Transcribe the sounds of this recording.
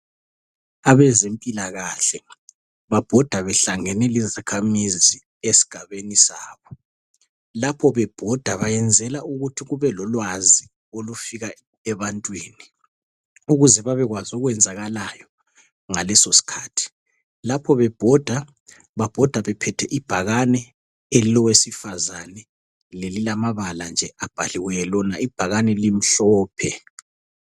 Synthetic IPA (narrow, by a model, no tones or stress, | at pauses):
aβɛzempʼilaɣaɬɛ | βab̥ʱɔd̥ʱaβɛɬaŋɛnɛlizakʰamizi | esi̥ɡ̥ʱaβenisaːβɔ | lapʰɔβɛb̥ʱɔd̥ʱaβajɛnd͡zʱɛlaʔuɣutʰiɣuβɛlɔlwazi | olufiɣa | ɛβantʼwiːni | uɣuzɛβaβɛɣwazuɣwɛnd͡zʱaɣalajɔ | ŋalɛsosi̥kʰaːtʰi̥ | lapʰɔβɛb̥ʱɔd̥ʱa | βab̥ʱɔd̥ʱwaβɛpʰɛtʰɛʔib̥ʱaɣanɛ | elilɔwesifazanɛ | lelilamaβaland͡ʒʱɛab̥ʱa̰liwɛjɛlɔnaib̥ʱaɣanɛlim̩ɬɔːpʰɛ